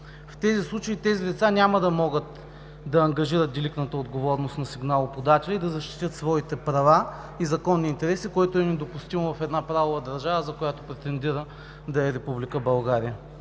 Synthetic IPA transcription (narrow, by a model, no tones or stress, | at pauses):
ft̪ɛzislˠut͡ʃəit̪ɛzid̪ɛt̪sanʲamɐd̪ɐmɔɡət̪ | d̪ɐːŋɡɐʒiɾət̪̚d̪iliknət̪əod̪ɡovɔɾnost̪nɐsiɡnalˠopod̪at̪ɛlʲɛid̪ɐzɐʃt̪i̥t̪ʲjət̪svɔit̪ɛpɾɐva | izɐkɔnːiːnt̪ɛɾɛsikoɛt̪oɛnɛd̪opust̪imovɐfɛd̪napɾavovəd̪ɐɾʒavəzɐkojat̪o̥pɾɛt̪ɛnd̪iɾə | d̪ɐɛɾɛpublikəbɐlˠɡaɾiə